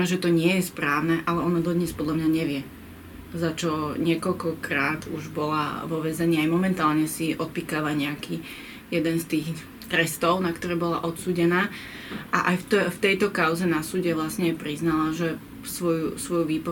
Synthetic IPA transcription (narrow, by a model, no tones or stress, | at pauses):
mɛʒɛt̪ɔɲɪɛjɛspɾaːʊnɛʔalɛɔnad̪ɔd̪ɲɛspɔd̪ʎamɲaɲɛʋɪɛ | zat͡ʃɔɲɪɛkɔʎkɔkɾaːd̪uʒbɔla̰ʋɔʋɛzɛɲiːajmɔmɛnt̪aːlɲɛsiʔɔt̪̚piːkaʋaɲɛaki | jɛd̪ɛnst̪iːx | t̪ɾɛst̪ɔʊnakt̪ɔɾɛːbɔla̰ʔɔt̪suːɟɛnaː | ʔaʔajfft̪ɛjt̪ɔkaʊzɛnasuːɟɛʋlasɲɛpɾiznalaʒɛ | sʋɔjusʋɔjuʋiːpɔ